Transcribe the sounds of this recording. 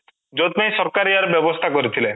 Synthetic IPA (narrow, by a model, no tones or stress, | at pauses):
d͡ʒot̪najsɔɾkaɾiaɾbjɔbɔst̪ʰakɔɾit̪ʰile